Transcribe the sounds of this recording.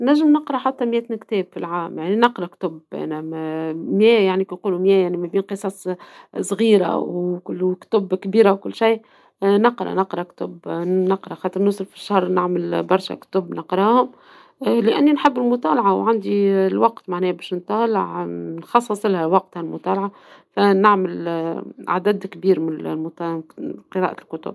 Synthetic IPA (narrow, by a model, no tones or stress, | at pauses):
næʒːəmnɑqɾˤɑħat̪ːɑmjæːt̪nkt̪ɛːbfilʕaːmjaʕninɑqɾˤɑkt̪ʊbʔæ̰ːnæmmjɛːjaʕnikinquːlumjɛːjaʕnimæbiːnqɨsˤɑsˤsˤɣiːɾa̰wkʊkt̪ʊbkbiːɾawkʊlːʃij | nɑqɾˤɑ̰nɑqɾˤɑkt̪ʊbnɑqɾˤɑxɑt̪ˤɨɾnʊsˤlfi̥ʃːaɑhɾˤnɪʕməlbɑɾˤʃa̰kt̪ʊbːnɑqɾˤɑːhʊm | lɪʔænːinħɪbːɪlmʊt̪ˤɑːlɑʕawʕand̪ilwɑqt̪maʕnɛːhbɛːʃnt̪ˤɑːlɑʕnxɑsˤːɑsˤlhæwɑq̚t̪halmʊt̪ˤɑːlɑʕa | fænɪʕməl | ʕa̰d̪æd̪kbiːɾmɪnmʊt̪ɑqɨɾɑ̰ːʔalkʊt̪ʊ̰b̥̚